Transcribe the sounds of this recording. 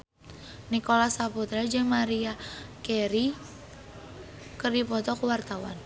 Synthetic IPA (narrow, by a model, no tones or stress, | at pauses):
nikolasaput̪ɾad͡ʒəŋmaɾiakɛɾi | kərdipɔt̪ɔkəwart̪awa̰n